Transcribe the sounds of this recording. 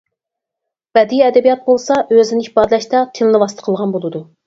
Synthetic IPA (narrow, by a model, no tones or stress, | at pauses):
b̥ɛd̪iɛd̪ɛbijɑt̪̚bolˠsɑʔøzɪnɪipɑːd̪ɨlɛʃt̪ɑt̪ʰɪlnɨwɑst̪ʰə̥qʰəlˠʁɑnbolˠɨd̪u